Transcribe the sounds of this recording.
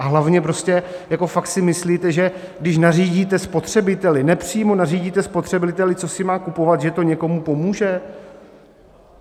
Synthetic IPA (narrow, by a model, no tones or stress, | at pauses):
ʔaɦlavɲɛpɾo̞scɛjako̞fak̚t̪sɪmɪsliːt̪ɛʒɛ | ɡdɪʃ̬nariːɟiːt̪ɛspo̞t̪r̝̥ɛbɪt̪ɛlɪnɛpr̝̥iːmo̞nariːɟiːt̪ɛspo̞t̪r̥ɛbɪɪt̪ɛlɪt͡so̞sɪmaːkupo̞vat̪ʒɛt̪oɲɛko̞mupo̞muːʒɛ